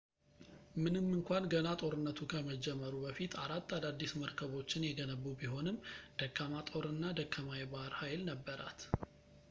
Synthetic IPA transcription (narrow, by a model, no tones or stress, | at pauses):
mɨnɨmːɨŋkʷanɡənat̪ʼo̞ɾɨnːət̪ʰukʰəməd͡ʒːɛmːəɾubəfit̪ʰaɾat̪ːad̪ad̪ːisməɾkʰəβo̞t͡ʃːɪnjɛɡənəβːubiho̞nɨmd̪̥əkːamat̪ʼo̞ɾɨnːad̪əkʰːamajɛbaɾhajlnəbːəɾʔa̰t̪